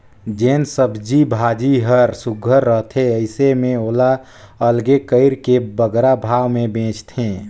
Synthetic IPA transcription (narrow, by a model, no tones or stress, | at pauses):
d͡ʒeːnsəbʱd͡ʒibʱaːd͡ʒiɦəɾsʊɡʱəɾːəɦt̪ʰeəɪsemẽoːla | əlɡekəɪɾkebəɡɾabʱaːwmẽbẽːt͡ʃt̪ʰẽː